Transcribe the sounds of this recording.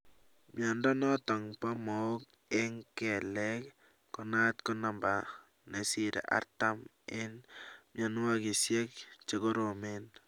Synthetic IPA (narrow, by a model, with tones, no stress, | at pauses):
mja˨ndɔ˦nɔ˦tɔ˨ŋpa˦mo˨o˦k̚ | e˦ŋke˨le˦k | ko˨na˦tko˦na˨mba˨ | ne˨si˨ɾḛ˨ʔa̰˦ɾta˦m | ɪ˦nmja˨nu˦wa˦ki˨sje˦k̚t͡ʃeko˦ɾo˨men